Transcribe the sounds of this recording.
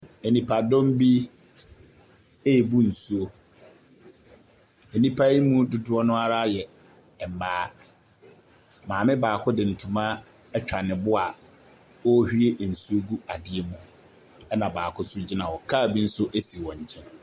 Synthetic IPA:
e˨nĩ˨pʰa˨dɔ̃˦m˦bi˦ | e˦e˨bu˦n̩˨su˦o˦ | e˨nĩ˦pʰa˦i˦mũ˦dʊ˨dʊ˦ɔ˦nʊ̃˦a˦ɾa˦jɛ˨ | m̩˨baː˦ | mãː˨mɪ̃˦baː˨kʰʊ˦dɪ˨n̩˨tʰũ˨mã˦ | ɛ˦t͡ɕᶣa˨nɪ̃˨bʊ˦a˨ | ɔ˦hᶣi˦e˦ʔn̩˨su˦o˦ɡu˦a˨dɪ˦ɛ˦mʊ̃˦ | ɛ˦nã˨baː˨kʰʊ˦sʊ˦d͡ʑi˦nã˨wɔ˨kʰaː˦˨bi˦n̩˦sʊ˦ʔe˦si˨wɔ̃˨ɲ̩˨t͡ɕʰɛ̃˦n

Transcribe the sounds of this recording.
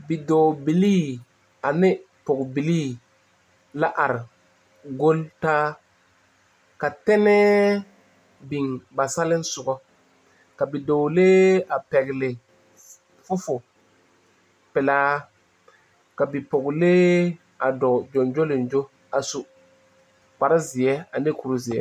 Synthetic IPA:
bi˨do˨bi˨liː˦ | a˨nɪ˦ | pʊ˨kbi˨liː˦ | la˦ʔa˨ɾɪ˨ | ɡo˦ltaː˦ | ka˨tɛ˦nɛ˦ | bi˨ŋba˨sa˦lɪ˦n˦sʊ˨ɡɔ˦ | ka˨bi˨do˨leː˦a˨pɛ˨ɣɪ˨lɪ˨ | fʊ˦fʊ˨ | pɪ˨laː˦ | ka˨bi˨pʊ˨ɡleː˦ | a˨dɔ˨d͡ʒo˨nd͡ʒo˦lɪ˨nd͡ʒo˦ | a˨su˨ | k͡pa˨ɾa˦zɪ˨ɛ˦a˨ne˦ku˨ɾu˦zɪ˨ɛ̰˦

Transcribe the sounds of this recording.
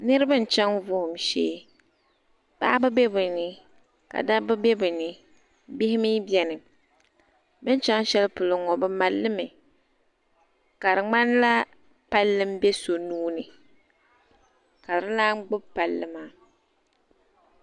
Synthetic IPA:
nɨ˦ɾɨ˦bɨ˦n̩˨t͡ʃɛ˦ŋvʊ˦hʊ˨mʃeː˦ | b̥a̰˦bɨ˦bɛ˦bɨ˨nɨ˨ | ka̰˨da˦bɨ˦bɛ˦bɨ˨nɨ˨ | bɪ˦hɪ˦mi˦bjɛ˨nɨ˨ | mɨ˦n˦t͡ʃɛ˦ŋ˦ʃɛ˦lpʊ˨lʊ˨ŋɔ˨bɨ˦ma˨lːɨ˦mɨ˨ | ka˨ɾɨ˨ŋ͡ma˦n˦la˦ | pa˦lːɨ˦mbɛ˦so˨nuː˦nɨ˨ | ka˨ɾɨ˦laː˦ŋ͡mɡ͡bʊ˦bpa˨lːɨ˦maː˨˦

